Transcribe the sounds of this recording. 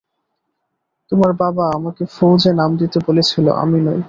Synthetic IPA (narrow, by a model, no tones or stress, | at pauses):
t̪omaɾbabaamakefowd͡ʑenamd̪it̪ebolet͡ɕʰilo̰ʔa̰minɔj